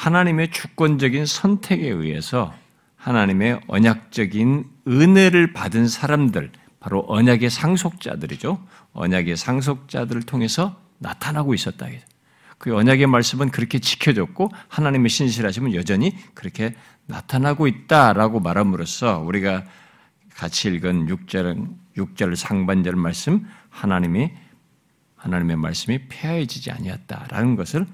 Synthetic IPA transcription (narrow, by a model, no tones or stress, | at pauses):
hanaɲime̞t͡ɕuk̚k͈wʌnd͡ʑʌɡinsʰʌntʰe̞ɡe̞ḭɦe̞̰sʰʌ | hanaɲime̞ʌ̰ɲak̚t͡ɕ͈ʌɡinɯne̞ɾɯɭpadɯnsʰaɾamdɯɭ | paɾoʔʌɲaɡe̞sʰaŋsʰok̚t͡ɕ͈a̰dɯɾid͡ʑo | ʌ̰ɲaɡe̞sʰaŋs̬ʰok̚t͡ɕ͈adɯɾɯɭtʰoŋe̞sʰʌ | na̰tʰanɦaɡois͈ʌt̚t͈a̰ɡeo̥ | kɯʌɲaɡe̞maɭs͈ɯmɯnkɯɾʌkʰe̞t͡ɕi̥kʰjʌd͡ʑʌk̚k͈ohanaɲime̞ɕʰinɕ̬ʰiɾɦaɕʰimɯnjʌd͡ʑʌɲikɯɾʌkʰe̞ | na̰tʰanɦaɡoit̚t͈aɾaɡomaɾɦamɯɾos͈ʰʌuɾiɡa | kat͡ɕʰiːɭɡɯnjuk̚t͡ɕ͈ʌjuk̚t͡ɕ͈ʌɭsʰaŋband͡ʑʌɭmaɭs͈ɯmhanaɲimi | hanaɲime̞ma̰ɭs͈ɯmipʰeaɦed͡ʑid͡ʑia̰ɲiʌt̚t͈a̰ɾa̰nɯnɡʌsʰɯɭ